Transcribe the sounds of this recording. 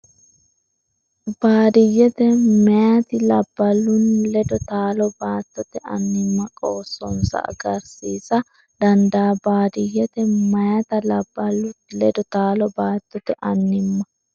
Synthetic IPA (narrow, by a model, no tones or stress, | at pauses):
baːd̪ɪjːɛt̪ɛmɛjɐt̪ɪlɐbːɐlʊnlɛd̪ɔt̪aːlɔbaːt̪ːɔt̪ɛʔɐ̰nːɪmːɐkʼoːsɔnsɐ̰ʔɐ̰ɡɐɾsiːsɐ | d̪ɐnd̪aːbaːd̪ɪjːɛt̪ɛmɐjɐt̪ɐlɐbːɐlʊlɛd̪ɔt̪aːlɔbaːt̪ːɔt̪ɛʔɐnːɪmːɐ